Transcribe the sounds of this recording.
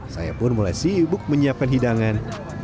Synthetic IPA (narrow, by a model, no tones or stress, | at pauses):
sa̰ja̰pʊnmulajsibʊk̚məɲiap̚kanɦidaŋan